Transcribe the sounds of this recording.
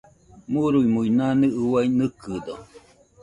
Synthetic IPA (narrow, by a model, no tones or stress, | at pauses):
muɾuimuinaneɨwainɨkɨd̪o